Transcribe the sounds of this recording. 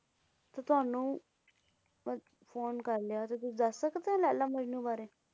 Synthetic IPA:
t̪aːt̪ʊaːnũː | pʰoːnkəɾleaːt̪eːt̪̬ʊd̪əsːəkd̪eːãːlɛːlãːməd͡ʒnũːbaːɾeː

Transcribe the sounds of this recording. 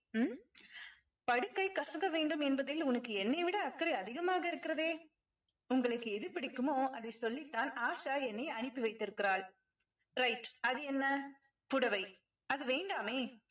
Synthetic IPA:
m | pɐɽɯkːɐɪkːɐʂɐŋɡɐʋeːɳɖɯmɛnbɐðɪlʊnɐkːɯɛnːɐɪʋɪɽɐːkːɐɾɐɪɐðɪɣɐmaːɣɐɪɾɯkːɪɾɐðeː | ʊŋɡɐɭɯkːɯɛðɯpɪɽɪkːɯmoːɐðɐɪsɔlːit̪ːaːnaːʂaːɛnːɐɪɐɳɪpːɯʋɐɪt̪ːɪɾɯkːɪɾaːɭ | ɾɐɪʈɐðɯɛnːɐ | pʊɽɐʋɐɪ | ɐðɯʋeːɳɖaːmeː

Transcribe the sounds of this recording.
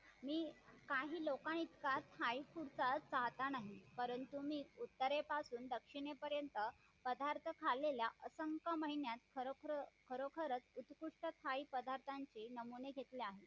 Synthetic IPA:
miːkaɦiːlokaɳ̃it̪kat̪ʰaikuɾt͡sat͡saɦt̪anaɦipəɾənt̪umiːut̪ːəɾepasuːnd̪əkʂiɳepəɾjənt̪ə | pəd̪ʱaɾt̪ʰəkʰaleljaʔəsəŋkəməɦinjat̪kʰəɾokɾkʰəɾokʰəɾət͡sut̪kuʂʈət̪ʰaipəd̪ʱaɾt̪ʰaɲt͡ɕenəmuneɡʱet̪leaɦe

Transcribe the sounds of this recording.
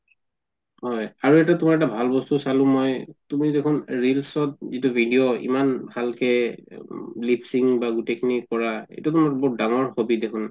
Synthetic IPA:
ɦɔjaɹuɛtɛtumaɹɛtabʱalbɔstusalʊ̃mɔjtumidekʰʊnɹilsɔt̚zitubʱidijɔḭmanbʱalkɛ | lipʰsiŋbaɡutekʰinikɔɹaḛjtutumaɹbɔdaŋɔɹhobidekʰʊn

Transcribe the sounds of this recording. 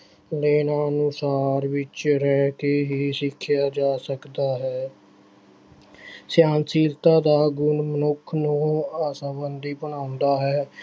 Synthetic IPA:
leːnãːnʊsaːɾʋɪt͡ʃɾɛːkeːɦiːsɪkʰːjaːd͡ʒaːsəkd̪aːɦɛː | sjaːnsiːlt̪ãːd̪aːɡʊnmənʊkʰnũːaːsãːbənd̪iːbəɳaːʊ̃nd̪aːɦɛː

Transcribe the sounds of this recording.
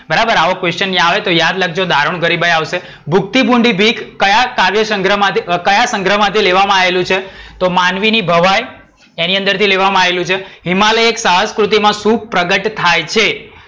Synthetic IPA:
bəɾabəɾaʋokʋest͡ʃənːij̃aʋet̪ojad̪ləɡd͡ʒod̪ʱaɾuɳ̃ɡəɾibəjaʋʃe | bʱuk̚t̪ibũɳɖibʱikːəjakaʋjəsəŋɡɾəmãkəjasə̃ŋɡɾəmãt̪ʰileʋamãaʋelũt͡ʃʰet̪omanʋinibʱəʋaj | eniə̃nd̪əɾt̪ʰileʋamãaʋelũt͡ʃʰeɦimaləeksaɦəskɾut̪̬imãsũpɾəɡəʈt̪ʰːajt͡ʃʰe

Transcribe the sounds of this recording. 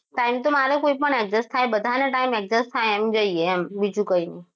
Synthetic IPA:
ʈaimt̪omaɾekoipəɳɛk̚d͡ʒəst̪ʰajbəd̪ʱaneʈaimɛk̚zəst̪ʰajɛmd͡ʒəieɛmbid͡ʒũkəinəi

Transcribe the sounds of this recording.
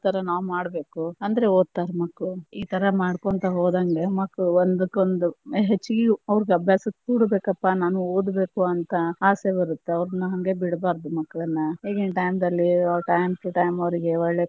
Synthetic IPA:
t̪ɐɾɐnaːʋmaːɽbe̞ːkuɐnd̪ɐɾeoːd̪̚t̪aːɾmɐkːuiːt̪ʰɐɾɐmaːɽkont̪ɐɦoːd̪aːŋɡemɐkːuond̪ukːond̪uɦet͡ʃːuɡiɐʋɾiɡɐbʱjaːsɐt̪uːɽbe̞ːkɐpːanaːnuoːd̪be̞ːkuɐnt̪ɐaːse̞bɐɾut̪ːeɐʋɾnːɐɦɐŋɡe̞biɽbaːɾd̪umɐkːɐɭɐnːɐɦeːɡenʈɐjmd̪ɐlːiaʈɐjmkːeʈɐjmɐʋɾiɡe̞ɐɭɭe

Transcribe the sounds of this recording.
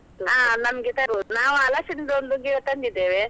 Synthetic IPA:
t̪uaːnɐmɐɡet̪ɐbuunaːʋuɐlasind̪ond̪uɡiɡɐt̪ɐnd̪id̪ːeːʋe

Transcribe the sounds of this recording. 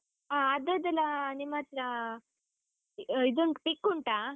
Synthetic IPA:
aːd̪əd̪əlanimat̪ɾa | id̪əŋkpikːuɳʈa

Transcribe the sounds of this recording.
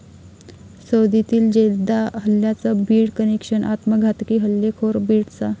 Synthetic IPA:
səwd̪it̪iːld͡ʑeld̪aɦəlːjat͡səbʱiːɽkənekʂənʔa̰t̪məɡʱat̪kiɦəlːekʰoɾbʱiːɽt͡sa

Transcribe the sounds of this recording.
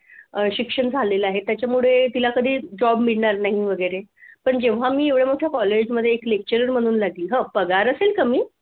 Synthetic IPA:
əɕikʂəɳd͡zʱaleləaɦet̪ːjat͡ɕjamuɭet̪ilakəd̪ʱiːd͡ʑɔbmiɭɳaɾnaɦiʋəɡəjɾepəɳd͡ʑeʋ̤amiːeʋɭjemuʈʰjakɔled͡ʑməd̪ʱːjeːklek̚t͡ɕəɾəɾm̤əɽ̃uːnlaɡliːɦə̃pəɡaɾəselkəmiː

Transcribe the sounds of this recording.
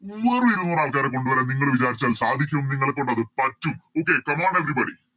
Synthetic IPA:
uːɐrɨiɾunːɐnaːlkaːɾeko̞ɳɖuʋɐɾeniŋːɐɭʋit͡ɕaːɾit͡ɕːaːlsaːd̪ʱikʲːɐumniŋːɐɭek̬ːoɳɖːɐðɨpɐtːumo̞ːk̬ːe̞kɐmaːɳeʋribɐɽḭ

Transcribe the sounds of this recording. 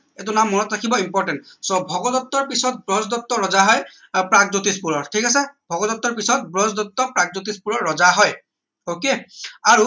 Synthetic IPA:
ɛt̬unamːɔnɔtɹakʰibɔimpɔɹtɛntsɔbʱɔɡɔdɔtːɔɹpisɔt̚bɹɔzdɔtːɔɹɔzaɦɔj | pɹaɡzutispuɹɔɹtʰikasɛbʱɔɡɔdɔtːɔɹpisɔt̚bɹɔzdɔtːɔpɹaɡ̚zut̬ispuɹɔɹːɔzaɦɔj | okeaɹu

